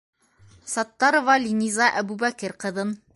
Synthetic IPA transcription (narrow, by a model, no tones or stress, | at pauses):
sɑt̪ːɑɾŏvɑlʲinʲizɑʔæbubækɘɾqɤ̆ðɤn